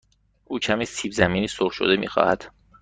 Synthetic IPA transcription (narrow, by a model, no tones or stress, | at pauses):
ʔuːcʰæmisiːbzæmiːniːsoɾʃo̰d̪emḭːxɒ̰ːhæd̪̥